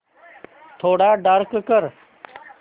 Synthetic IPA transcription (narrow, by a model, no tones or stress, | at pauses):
t̪ʰoːɽaːɖaːɾkkəɾ